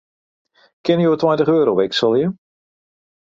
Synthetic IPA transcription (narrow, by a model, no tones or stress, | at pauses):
kɪnjoːtwajntəχøːɾoʋɛksəlˠjə